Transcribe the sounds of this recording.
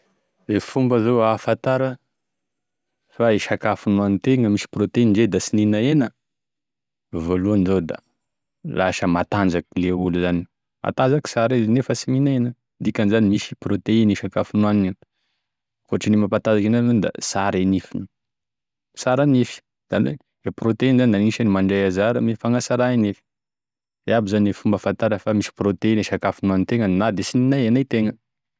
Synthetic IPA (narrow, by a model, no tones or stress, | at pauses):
zefumbəzoafat̪aɾə | faiʃakafunuanint̪eŋəmisi̥prot̪einiɳd͡ʒed̪asininaenə | voluanizod̪a̰ | laʃəmat̪and͡ʒakileuluzani | ma̰t̪ad͡ʒaki̥saɾeznefəsininaenə | d̪ikʲanizanimisi̥prot̪einiʃakafunuaninin | foʈ͡ʂinimapat̪azakinannund̪a̰saɾenifin | saɾanifi̥ | z̥anḛ | d̪eprot̪einzanid̪aniʃanimaɳɖ͡ʐejazaɾəmifaŋasaɾainefi̥ | d̪eabizanefumbəfant̪aɾəkfamisi̥prot̪eineʃakafinuanint̪eŋənnad̪esininajanajt̪eŋə